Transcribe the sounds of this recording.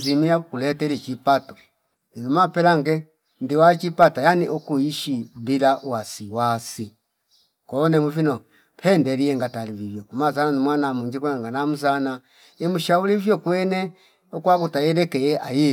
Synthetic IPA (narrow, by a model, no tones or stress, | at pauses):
zimiakulɛtɛlit͡ʃipatɔ̥ | ivɔmapɛlaŋɡɛ | ndiwat͡ʃipatajaniʔɔkuiʃibilaʔuwasiwasi | kɔnɛmuvinɔ | pʰɛndɛɾiɛŋɡatalivivjɔkumazananimwanamuɲd͡ʒikɛŋɡanamuzana | ɛmuʃaulivjɔkwɛnɛ | ɔkwakutajɛɾɛkɛjɛʔaji